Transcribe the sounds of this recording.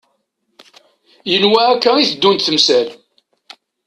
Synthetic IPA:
jənwæækːæiθd̪ːunt̪θəmsæl

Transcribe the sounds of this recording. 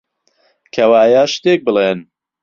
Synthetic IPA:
kʰɐwaːjaːʃt̪eːk̚bɨleːn

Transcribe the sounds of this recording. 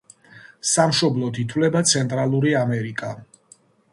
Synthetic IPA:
samʃɔblˠɔd̪it̪ʰwlɛbat̪sʰɛnt̪ʼɾalˠuɾiamɛɾikʼa

